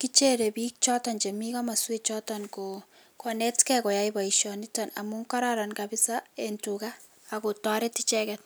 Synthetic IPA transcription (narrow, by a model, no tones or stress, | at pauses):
kit͡ʃeɾebiːk̚t͡ʃɔtɔnt͡ʃemikamaswet͡ʃɔtɔnko | kɔnɛtkɛkɔjaibaiʃɔnitɔna̰muŋkɔɾaɾankabɪsaentukaː | kotɔɾɛtit͡ʃɛkɛt̚